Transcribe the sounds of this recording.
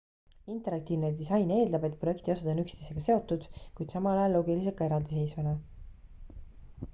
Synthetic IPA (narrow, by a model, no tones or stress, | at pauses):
int̪ˑe̞ɾɑk̚t̪iːvned̪isɑjne̞ːld̪ɑbe̞t̪̚ˑproe̞kt̪io̞sɑd̪onykst̪eseɡ̥ɑse̞o̞t̪ːˑud̪̥kujd̪̥sɑmɑlɑjɑlːo̞ːɡilis̬ekɑe̞ɾɑld̪isejsvɑnɑ